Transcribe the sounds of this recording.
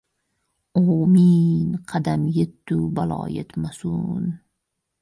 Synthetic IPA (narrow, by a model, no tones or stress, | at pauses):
oːminqʰɑd̪amjet̪ːubalɒ̰ːjet̪masun